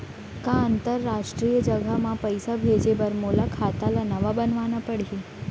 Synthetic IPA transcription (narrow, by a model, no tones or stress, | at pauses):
kãənt̪əɾːaʂʈɾijəd͡ʒəɡʱamãpəjsabʱed͡ʑebəɾmolakʰat̪alanəʋabənʋanapəɽ̤i